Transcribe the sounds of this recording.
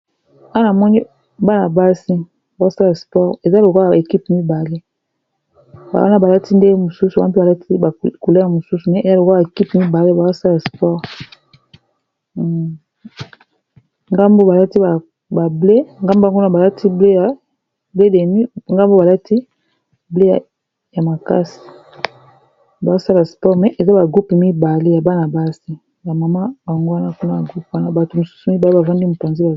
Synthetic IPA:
a˦na˨mɔ˦ni˦ | ba˦na˨ba˦si˦ | ba˨zo˦sa˦la˨spɔ˦˨ʁe˨za˦lo˨ko˦ja˨e˨ki˦pmi˦ba˨le˦ | ba̰˨wa̰˦na˦ba˨la˦tʰi˦nde˦mo˨su˦su˨˦pba˨la˦ti˦ba˨ko˨le˦ja˨mo˨su˦su˨nɛ˦e˨za˦lo˨ka˨e˨ki˦pmi˦ba˨le˦ba˨zo˦sa˦la˨spɔ˦˨ʁ | ŋɡa˦mbo˦ba˨la˦ti˦a˨ | ba˨ble˦ŋɡa˦mbo˦˨ŋɡna˦˨ba˨la˦tʰi˦ble˦ja˨ | be˦de˨ni˦ŋɡa˦mbo˦ba˨la˦tʰi˦ | ble˦˨ | ja˨ma˨ka̰˦si̥˨ | ba˨zo˦sa˦la˨spɔ˦mɛ˨ʔe˨za˦ba˨ɡu˦pmi˦ba˨le˦ja˨ba˦na˨ba˦si˦ | ja˨ma˨ma˦ba˨ŋɡo˦a˦na˦ku˦na˦˨a˨ɡu˦pwa˦na˦ba˨to˨mo˨su̥˦su˨mi˦ba˨le˦ba˨va˦ndi˦mo˨pa˨nze˦ba˨

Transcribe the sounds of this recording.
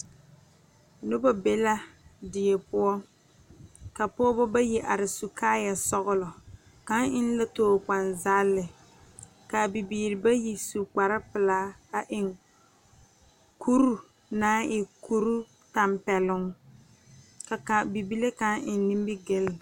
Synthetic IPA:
nʊ˦bɔ˦be˦la˦dɪ˨jɛ˨pʊ˦ɔ˦ | ka˨pɔː˦bɔ˦ba˦ji˨ʔa˨ɾɪ˨su˨kʰaː˦ja˨sɔ˦ɣʊ˦lɔ˨ | ka˦ŋɪ˦n˦la˦toː˦˨k͡pa˨nza˦lːɪ˨ | ka˨bi˨biː˨ɾɪ˨ba˦ji˨su˨k͡pa˨ɾɪ˦pɪ˨laː˦ka˨ʔɪ˨ŋ | kʰu˦ɾu˦ | naː˦ʔɪ˨ku˦ɾu˦ | ta˨mpɛ˨lʊ˦ŋ | ka˨ka˨bi˨bi˦le˦ka˦ŋʔɪ˨nː˦i˦mbi˦ɡɪ˦l

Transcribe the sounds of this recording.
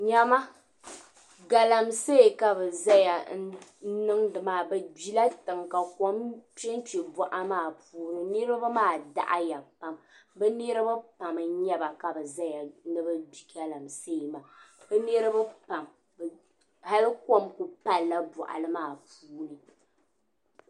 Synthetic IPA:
ɲa˦ma˦ | ɡa˨la˨mse˦˨ka˨bɛ˨za˦ja˨n˦nɨ˦ŋdɨ˨maː˨bɛ˨bi˦la˦tɨ˨ŋka˨ko˦mpɛ˦n˦ti˨bɔ˦˨ʔa˦maː˦˨puː˦nɨ˦ni˦ɾɨ˦ba˦maː˦˨da̰˦˨ʔa̰˦ja˨pa˦mbɛ˦ne˦ɾɨ˦ba˦pa˨m˨ɲɛ˦ba˨ka˨bɨ˨za˦ja˨nɨ˦bɨ˦bi˨ɡa˨la˨mse˦˨ma˨bɨ˦nɛ˦ɾɨ˦bɨ˦pa˨m | b | ha˦lɨ˦ko˦mku˨pa˦lːa˦bɔ˨ʔa̰˨lɨ˦maː˦˨puː˦nɨ˨

